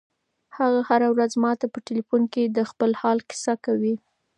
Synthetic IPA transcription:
haɣahaɾawɾazmɑt̪apəʈɪlifunked̪əxpəlhɑlkɪ̥sakawi

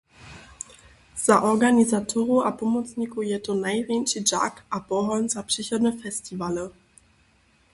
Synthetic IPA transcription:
z̥aʔɔʁɡanizatʰɔʁuʔapɔmɔt͡sɲikujɛtɔnajvʲjɛnt͡ʃid͡ʒa̰kʔapɔɦɔnz̥apʂɛçɔd̪nɛfɛstʰivalə

